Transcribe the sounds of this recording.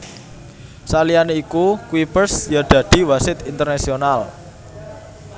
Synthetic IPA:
salianeikukwipərsjaɖ̪̥ä̤ɖ̪̥i̤wasɪt̪int̪ərnasional

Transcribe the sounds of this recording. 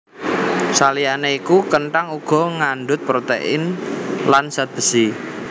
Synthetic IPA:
salianeikukəɳʈaŋuɡ̥ɔ̤ŋaɳɖʊt̪̚pɾot̪ḛʔɪ̰nlansat̪̚b̥ə̤si

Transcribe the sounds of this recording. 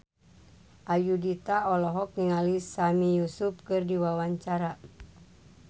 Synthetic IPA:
ʔajudit̪aɔlɔɦɔk̚niŋalisamijusup̚kɨrdiwawaɲt͡ʃaɾa

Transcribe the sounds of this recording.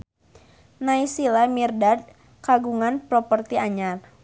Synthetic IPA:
naisilamirdad̚ | kaɡuŋanpɾɔpərt̪iaɲar

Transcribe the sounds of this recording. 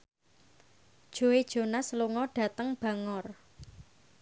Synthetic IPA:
d̥ʒ̥o̤ed̥ʒ̥o̤nasəluŋɔɖ̥ä̤t̪əŋb̥ä̤ŋɔr

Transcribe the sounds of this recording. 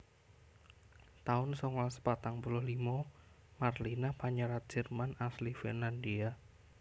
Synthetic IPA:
t̪aʊnsɔŋɔlsə̥pat̪aŋpulʊhlimɔ | marlinapaɲəɾat̪̚d̥ʒ̥ə̤rmanaslifḭnlandia

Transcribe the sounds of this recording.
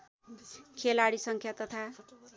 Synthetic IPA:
kʰelaɽisʌŋkʰjat̪ʌt̪ʰa

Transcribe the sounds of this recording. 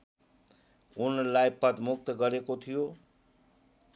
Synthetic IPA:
unlajpʌd̪muk̚t̪ʌɡʌɾekot̪ʰijo

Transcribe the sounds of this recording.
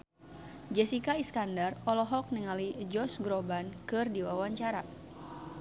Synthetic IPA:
d͡ʒɛsikaiskandarɔlɔɦɔk̚nəŋalid͡ʒɔsɡɾobankɨrdiwawaɲt͡ʃaɾa

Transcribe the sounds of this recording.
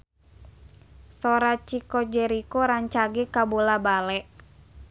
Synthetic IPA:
sɔɾat͡ʃikɔd͡ʒɛɾikɔɾaɲt͡ʃaɡɛkabolabalɛʔ

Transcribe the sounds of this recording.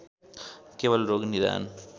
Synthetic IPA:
keʋɐlɾoːɡniða̰ːn

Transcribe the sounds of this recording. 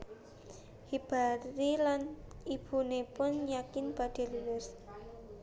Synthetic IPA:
hib̥ailanib̥unepʊnjakɪnb̥a̤d̪̥e̤luwɪs

